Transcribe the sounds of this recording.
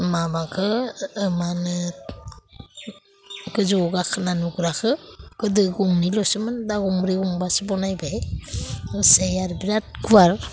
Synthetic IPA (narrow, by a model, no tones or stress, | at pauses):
mabakʰɯːmanɯ | ɡɯzɔɡakʰɯnanuɡɯɾakʰɯkɯdɯɡuŋnilɔsɯmɯndaɡɔŋɾiɡuŋbasɯbɔnajba | sejaɾbiɾat̚ɡuwaɾ